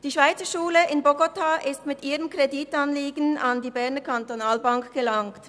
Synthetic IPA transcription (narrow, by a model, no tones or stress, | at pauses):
d̥iːʃv̥aɪt͡sɐʃuːləɪnboɡotʰaʔɪstmɪtʔiːʁəmkʁeditanliːɡn̩andiːbɛɐnəkantonaːlbaŋkɡ̥əlaŋt